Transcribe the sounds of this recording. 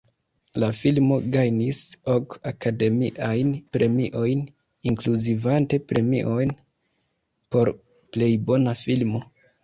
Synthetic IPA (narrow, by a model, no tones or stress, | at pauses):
lafilmo̞ɡajniso̞kakade̞miʔajnpɾʔe̞mḭʔo̞jn | iŋkluzivante̞pɾʔe̞mḭʔo̞jn | po̞ɾ | ple̞jbo̞nafilmo̞